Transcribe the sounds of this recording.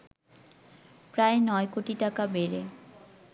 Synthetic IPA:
pɾaenɔekoʈiʈakabeɾe

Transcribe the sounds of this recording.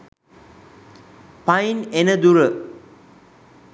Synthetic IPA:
pajinenəd̪uɾə

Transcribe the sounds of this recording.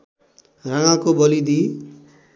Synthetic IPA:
raŋãkobʌlid̪i

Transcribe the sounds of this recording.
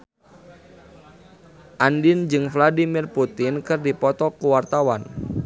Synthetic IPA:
ʔandind͡ʒɨŋfladimirput̪ɪnkɨrdipɔt̪ɔkuwart̪awan

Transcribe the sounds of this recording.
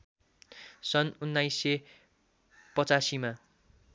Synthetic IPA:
sʌnunːajsːe | pʌt͡sasima

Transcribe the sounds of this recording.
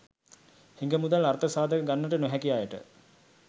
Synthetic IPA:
hiŋɡəmud̪alaɾt̪əsaːd̪əkəɡanːəʈənoɦɛkijaːjəʈə̰

